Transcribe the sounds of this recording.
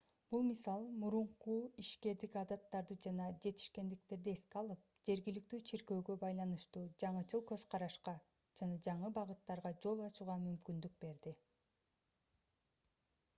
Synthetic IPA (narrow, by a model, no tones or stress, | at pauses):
b̥ulˠmisɑlˠmuɾuɴquiʃke̞ɾd̪ikɑd̪ɑt̪ːɑɾd̪ɯd͡ʒɑnɑd͡ʒe̞t̪i̥ʃke̞nd̪ik̚t̪e̞ɾd̪ie̞skeɑlˠɯp̚d͡ʒe̞ɾɡilik̚t̪yːt͡ʃʰeɾɡø̞ːɡø̞bɑjlˠɑnɯʃt̪uːd͡ʒɑɴɯt͡ʃʰɯlˠkø̞zqʰɑɾɑʃqɑ | d͡ʒɑnɑd͡ʒɑɴɯbɑʁɯt̪ːɑɾʁɑd͡ʒo̞lˠɑt͡ʃuʁɑmymkynd̪yk̚be̞ɾd̪i